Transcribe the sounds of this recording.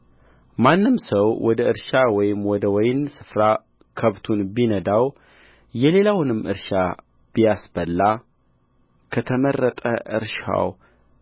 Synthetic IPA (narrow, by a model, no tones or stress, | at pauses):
manːɨmsəwwɔd̪əɨɾʃawɔjɪmwɔd̪əwɔjɪnsɨfɾa | kʰəβt̪ʰunbinəd̪aw | jɛle̞lawnɨmːɨ̰ɾʃa | b̥ijasbəlːa | kʰət̪ʰəmərːət̪ʼə̰ʔɨɾʃa̰w